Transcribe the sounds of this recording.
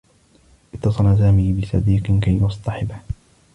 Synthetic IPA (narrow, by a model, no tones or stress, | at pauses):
ʔɪt̪ːɑsˤɑlas̬aːmɪbɪsɑ̰d̪iːqkajwɑsˤt̪ˤɑħɪbh